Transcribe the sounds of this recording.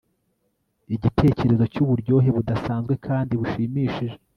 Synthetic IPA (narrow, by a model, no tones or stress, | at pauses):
iɟitʰe̞ːce̞ɾe̞zo̞cuβuɾɟo̞ɦe̞βudasaːnzɡwe̞kʰaːndiβuʃiːmiːʃiʒe̥